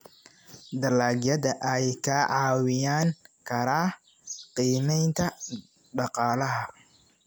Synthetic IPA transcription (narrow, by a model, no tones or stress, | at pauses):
d̪ɐlaːɡjɐðɐʔɛjkʰɐʕɑːwɪjaːŋkʰɐɾaː | qiːmɛjnt̪ʰɐ | ɖɑqɑːlɐɦɐ